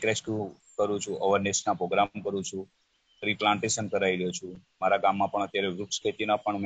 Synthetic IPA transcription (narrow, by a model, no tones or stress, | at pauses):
kɾeskju | kəɾũt͡ʃʰuʔəʋəɾnesnapɾoɡɾamkəɾũt͡ʃʰũ | ɾiplãɳʈeʃənkəɾaiɾəɦjot͡ʃʰũmaɾaɡamːãpəɳət̪jaɾeʋɾuʈskʰet̪inapəɳm